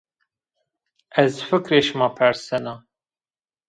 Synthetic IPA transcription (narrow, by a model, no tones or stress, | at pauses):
ɛzfɨkɾeːʃmɑːpʰæɾsɛna